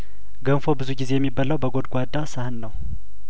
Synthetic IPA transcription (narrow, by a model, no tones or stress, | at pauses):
ɡənfo̞bɨzuɡize̞jɛmːibːaləwbəɡo̞d̪ɡʷad̪ːasahɨnːəw